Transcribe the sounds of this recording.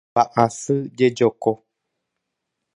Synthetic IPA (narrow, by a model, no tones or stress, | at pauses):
aʔãsɨd͡ʒed͡ʒɔkɔ